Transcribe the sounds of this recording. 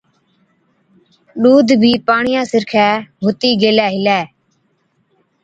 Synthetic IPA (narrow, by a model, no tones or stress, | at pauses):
ɗuːd̪ʱbʱiːpaːɳɪjãːsɪɾkʰɛːbʱʊt̪iːɡeːlɛːɦɪlɛː